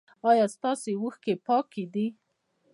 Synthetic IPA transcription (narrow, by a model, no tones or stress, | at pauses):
ɑjɑst̪ɑsewəxkepɑkʰed̪i